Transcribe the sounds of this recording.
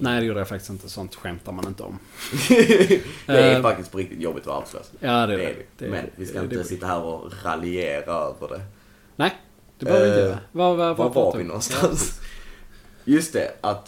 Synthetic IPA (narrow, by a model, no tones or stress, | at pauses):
næɪd̪ɛjuːdəjafakt̪ɪ̥st̪ɪnt̪ə̥sɔnt̪ɧɛmt̪aɾmanɪnt̪əɔ̰m | ɛæfak̚t̪ɪsk̪pʰɔɾɪk̚t̪ɪt̪jɔbːɪt̪ɔa̰ɾd̪bɛ̰slø̰ːsjɑːd̪ɛ̰d̪̥ɛ̰mɛ̰nvɪskaɪnnəsɪt̪ːahæːɾɔ̰ɾa̰lɪeːɾaøːvə̰ɖɛ̰ | næɪ | d̪̥ɛbɾɪnəɛvavaɔvaɾvɪnɔnst̪ans | jɵst̪̚ɛ̰ʔat̪